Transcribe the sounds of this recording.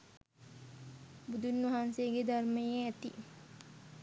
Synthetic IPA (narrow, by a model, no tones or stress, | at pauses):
bud̪ʱunʋɐɦansejəɡed̪ʱarməjeɛt̪ḭ